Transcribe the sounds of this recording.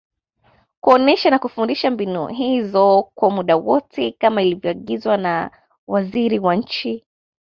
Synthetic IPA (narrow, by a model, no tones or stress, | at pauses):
kuɔnɛʃanakufundiʃambinṵɦizɔkwamuɗawɔtʰɛkamailivjɔaɠizwana | waziɾiwaɲ̩t͡ʃi